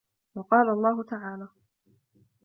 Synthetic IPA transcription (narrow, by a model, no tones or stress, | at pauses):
wɑqɑːlaʔlˤːɑːɦʊt̪aʕaːlaː